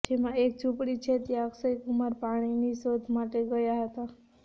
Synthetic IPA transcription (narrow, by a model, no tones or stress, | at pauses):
d͡ʒemãek̚t͡ʃupɽit͡ʃʰet̪jaksəjkumaɾpaɽ̃inisod̪ʱmaʈeɡəjaɦət̪a